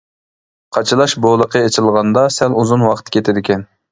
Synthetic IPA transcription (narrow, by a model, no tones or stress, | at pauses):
qʰɑt͡ʃʰɨlˠɑʃbolˠəqəet͡ʃʰɪlˠʁɑnd̪ɑsæluzunwɑqʰt̪ʰkʲʰet̪ʰɪd̪ɪkʲʰɛn